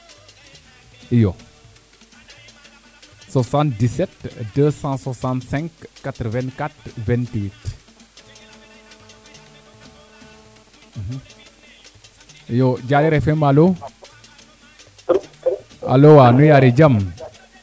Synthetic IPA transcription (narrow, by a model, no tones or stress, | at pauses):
ijo | sasãnt̚disɛtdəsãswasãntsɛ̃ŋkːat̪ɾəvɛ̃nkat̪vɛ̃ntwit | ijoɟaɾiɾɛfɛmalo | a̰lowanujaɾid͡ʒɐm